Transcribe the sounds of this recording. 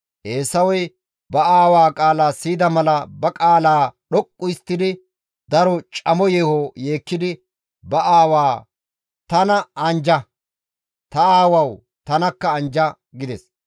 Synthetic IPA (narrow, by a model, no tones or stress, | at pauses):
ʔe̞ːsɐwɔj | bɐaːwaːkʼaːlaːsiːd̪ɐmɐlɐbɐkʼaːlaːɗɔkʼːʊjɪst̪ːɪd̪ɪ | d̪ɐɾɔt͡ʃʼɐmɔjeːhoje̞ːkːɪd̪ɪ | bɐʔaːwaː | t̪ɐnɐɐnd͡ʒɐ | t̪ɐaːwɐw | t̪ɐnɐkːɐːnd͡ʒɐ | ɡɪd̪ɛs